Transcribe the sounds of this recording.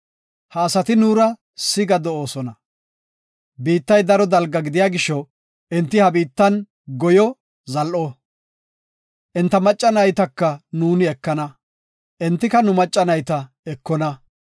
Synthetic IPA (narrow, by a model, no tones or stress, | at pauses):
hɐːsɐt̪ɪnuːɾɐ | sɪɡɐd̪ɔoːsɔnɐ | biːt̪ːɐjd̪ɐɾɔd̪ɐlɡɐɡɪd̪ɪjaːɡɪʃːɔ | ʔɛnt̪ːɪhɐbiːt̪ːɐn | ɡɔjɔ | zɐlʔɔ | ʔɛnt̪ːɐmɐt͡ʃʼːɐnɐjt̪ɐkːɐnuːnɪɛkːɐnɐ | ʔɛnt̪ːɪkɐnʊmɐt͡ʃʼːɐnɐjt̪ɐ | ɛkːɔnɐ